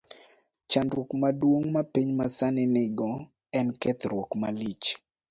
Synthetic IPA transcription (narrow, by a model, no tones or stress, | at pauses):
t͡ʃandokmadwoŋmapiɲmasanɪnɪɡɔ | ɛnkɛt̪ɾwɔkmalit͡ʃ